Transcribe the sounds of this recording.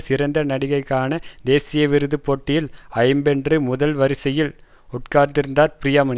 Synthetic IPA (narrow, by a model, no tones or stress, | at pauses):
sɪɾɐnd̪ɐnɐɽɪɣɐɪkːaːnɐd̪eːsɪjɐʋɪɾɯðɯpːoːʈːɪjɪlɐɪmbɛndrɯmʊðɐlʋɐɾɪsɐjɪl | ʊʈ̚kaːɾd̪ɪɾɯnd̪aːɾpɾɪjamɐn